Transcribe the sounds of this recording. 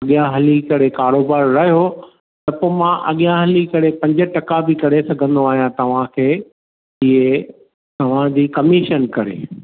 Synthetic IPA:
ɐɠijãɦɐlikɐɽekaːɾoːbaːɾɾɐɦijo | t̪ɐpoːmãʔɐ̰ɠijãɦɐlikɐɽepɐ̃ɲd͡ʑə̆ʈɐkabɪkɐɾesɐɡʱə̃nd̪oaːɦijãt̪ɐʋ̤ãkʰeː | iɦe | t̪ɐʋ̤ãd͡ʑiːkɐmiːʃənkɐɾḛː

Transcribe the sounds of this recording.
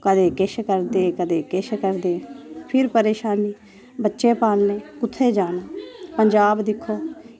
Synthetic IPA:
kəd̪eːkɪʃkəɾd̪eːkəd̪eːkɪʃkəɾd̪eːpʰɪɾpəɾeːʃaːniː | bətːʃeːpaːlneːkʊt̪ʰːeːd͡ʒaːnaːpəɲd͡ʒaːbd̪ɪkʰːoː

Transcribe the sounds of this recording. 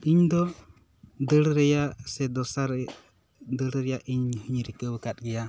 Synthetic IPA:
iɲd̪ɔ | d̪əɾɾɛjaʔsɛd̪ɔsaɾɛ | d̪əɾɾɛjaʔiɲːuhɲɾikəwəkat̪̚ɡɛja

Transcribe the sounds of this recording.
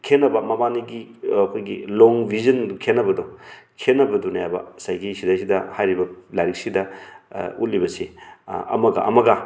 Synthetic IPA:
kʰenːɐbɐmɐmaniɡiɐkʰojɡḭloŋbʱizɐnkʰenːɐbɐdɔ | kʰenːɐbɐdunajabɐ̰sajɡisidajsidɐhajɾibɐlajɾik̚sidɐ | ut̚libɐseɐ̰mɐɡa̰ɐmɐɡa

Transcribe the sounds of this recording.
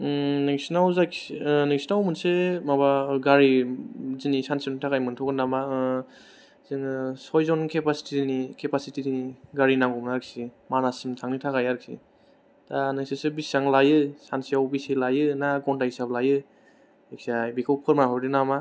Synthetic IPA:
neŋsnawzaksneŋsinawmɯnsemabaɡaɾizinisansiɔnitʰakajmɯntʰɔkɯnama | zɯŋsɔjzɔnkʰepasi̥tidinikʰepasitidiniɡaɾinaŋɡɔmnaɾksimanasimtʰaŋnitʰakajaɾkʰḭ | tanɯŋsesɯbisaŋlajɯsansijawbiselajɯnaɡɔntajsablajɯ | eksajbikʰawpʰɯɾmaɦʰɔɾdinama

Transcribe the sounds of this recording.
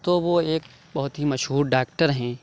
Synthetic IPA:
t̪oʋoeːk̚ | bɐɦʊt̪ɦimɐʃɦuːɾɖaːk̚ʈəɾɦɛ̃ː

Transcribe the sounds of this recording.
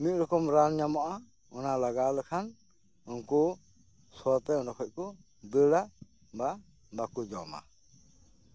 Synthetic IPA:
mic̚ˀɾɔkɔmɾanɲamɔʔa | ɔnalaɡalɛkʰan | unkɔ | sɔt̪ɛɔnɖɔkʰɔc̚kɔ | bəɽa | ba | bakud͡ʒɔma̰

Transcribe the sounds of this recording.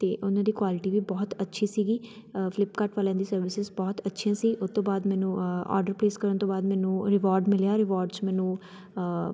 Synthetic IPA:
t̪eːʔʊnãːd̪iːkwaːlɪʈiːʋiːbɔːt̪ətːʃʰiːsiːɡiː | fɪlɪpkaʈʋaːlãːd̪iːsəɾʋɪsɪzbɔːt̪ətːʃʰijãːsiːʔʊst̪õːbaːd̪mɛ̃ːnũːɔ̰ːɾɖəɾpɾeːskəɾənt̪oːbaːd̪mɛːnũːɾɪʋaːɾɖmɪljaːɾɪʋaːɾɖt͡ʃmɛ̃ːnũː

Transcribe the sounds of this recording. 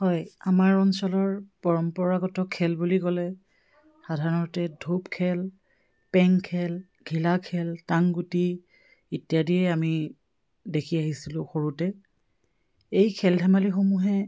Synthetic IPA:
hɔjamaɹɔnsɔlɔɹpɔɹɔmpɔɹaɡɔtɔkʰɛlbulikɔlɛ | xadʱaɹɔɔtɛdʱupkʰɛl | pɛŋkʰɛl | ɡʱilakʰɛltaŋɡuti | itjadiɛami | dekʰiaɦisilʊ̃xoɹutɛ | ejkʰɛldʱɛmalixomuɦɛ

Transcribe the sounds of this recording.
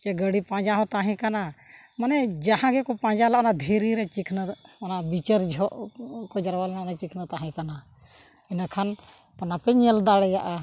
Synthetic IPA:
t͡ʃɛɡəɽipãd͡ʒaɦɔ̃t̪aɦɛ̃kana | manɛd͡ʒahãɡɛkɔpãːd͡ʒalaʔɔnad̪ʱiɾiɾɛt͡ʃikʰnəɔnabit͡ʃəɾd͡ʒʱɔʔkɔd͡ʒaɾwalnanɛt͡ʃikʰnət̪aɦɛ̃kana | ɛnakʰan | t̪ɔnapɛɲɛld̪aɽɛjaʔa

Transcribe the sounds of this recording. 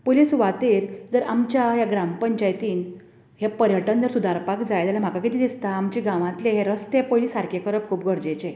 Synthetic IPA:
polisʋat̪eɾd͡zəɾʔamt͡ɕjajaɡɾampəɲt͡ɕajt̪iːn | hepəɾjəʈənd͡zəɾsud̪ʱaɾpakd͡zajt̪alam̤akakit̪iːd̪ist̪aːmt͡ɕiɡãʋãt̪leɦeɾəst̪epəjliːsaɾkekəɾəp̚kʰuːp̚ɡʱəɽd͡ʑet͡ɕe

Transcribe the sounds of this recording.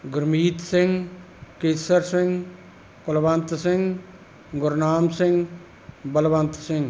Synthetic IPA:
ɡʊɾmiːt̪sɪ̃ŋɡ | keːsəɾsɪ̃ŋɡ | kʊlʋənt̪sɪ̃ŋɡ | ɡʊɾnaːmsɪ̃ŋɡ | bəlʋənt̪sɪ̃ŋɡ

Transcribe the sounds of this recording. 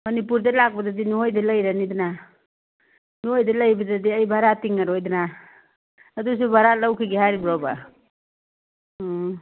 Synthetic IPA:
mɐnipuɾdelaɡ̚badadinuɦojdalajɾanidina | nuojdalajbadadiajbʱaɾatiŋaɾojdna | dus̬ubʱaɾalawkʰiɡiɦaɾibɾaba

